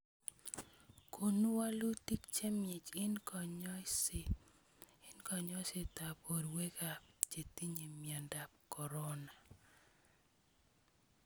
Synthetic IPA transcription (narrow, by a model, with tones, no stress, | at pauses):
ko˨nu˦wa˦lu˦ti˦kt͡ʃe˦mɪ˨t͡ʃɪ˦nkɔɲɔ˦s | ɪ˦nkɔ˨ɲɔ˦sɪ˨ta˨po˨ɾwe˦ka˨pd͡ʒe˨ti˦ɲi˨mja˨nda˨p̚kɔ˨ɾɔ˦na˨